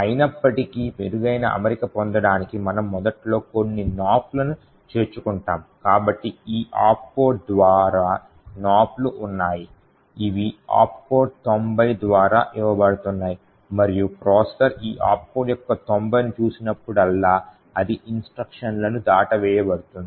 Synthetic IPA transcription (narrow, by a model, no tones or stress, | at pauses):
ɐjinɐpːɐʈikimeɾuɡɐjnɐ̰ʔɐ̰meɾikɐpond̪ɐɽaːnikimɐnɐmːɔd̪ɐʈlo̞ːko̞nːinaːplɐnu | t͡ʃe̞ːɾt͡ʃukuɳʈaːmkaːbɐʈːiiːʔa̰ːp̚po̞ːɖ̚d̪ʋaːɾaː | naːpluʔunːaːji | iʋia̰ːppo̞ːɖ̚t̪ombɐjd̪ʋaːɾa̰ːʔiʋɐbɐɽut̪unːaːji | mɐɾijupɾɔːsʈɐɾiːʔa̰ːp̚poːɖjɔkːɐt̪ombɐjnut͡ʃuːsinɐpːuɽɐlːaː | ɐd̪iʔinsʈɾɐkʂɐnlɐnud̪aːʈɐʋɛːjɐbɐɽut̪und̪i